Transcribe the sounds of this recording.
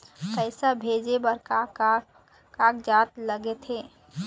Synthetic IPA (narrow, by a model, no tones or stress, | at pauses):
kəɪsabʱed͡ʒebəɾka | kakd͡ʒat̪ləɡet̪ɦe